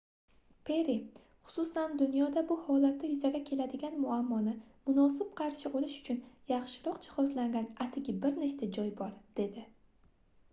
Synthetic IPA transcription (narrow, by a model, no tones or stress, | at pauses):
pʰe̞ɾi | χʊ̥sʊsand̪ʊnjɒd̪abʊhɒlat̪nɪjʊzaɡʲakʲʰe̞lad̪ɪɡʲanmʊamːɒnɪmʊnɒsɪp̚qʰɑɾʃɪbolɪʃʊ̥t͡ʃʰʊnjɑχʃɪɾɒqd͡ʒɪ̥hɒzlaŋɡʲanat̪ʰɪɡʲɪbɪɾnet͡ʃt̪ad͡ʒɒjbɒɾd̪̥e̞d̪ɪ